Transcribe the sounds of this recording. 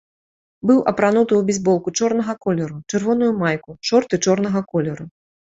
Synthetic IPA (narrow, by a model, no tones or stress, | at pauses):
bɨwʔɐpɾanut̪ɨjubʲizʲbɔlˠkut͡ʂɔrn̪ɐɣɐkɔlʲɛɾut͡ʂɨrvɔn̪ujumajkuʂɔrt̪ɨt͡ʂɔrnɐɣɐkɔlʲɛɾu